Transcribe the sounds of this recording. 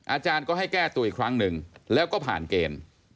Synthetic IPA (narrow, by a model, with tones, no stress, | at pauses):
ʔaː˧t͡ɕaː˧nkɔː˥˩ha˥˩jkɛː˥˩t̪uː˧ʔi˨˩kʰɾa˦˥ŋnɯ˨˧ŋlɛː˦˥wkɔː˥˩pʰa̰ː˨˩nkeː˧m